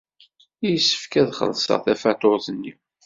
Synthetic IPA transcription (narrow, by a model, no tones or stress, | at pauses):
jəsːə̥fkæðχə̰lsə̰ʁθæfæt̪oθənːiw